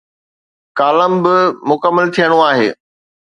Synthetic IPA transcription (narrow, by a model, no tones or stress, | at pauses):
kaːləmbɪmʊkəmːəlt̪ʰijəɽ̃oaːɦḛː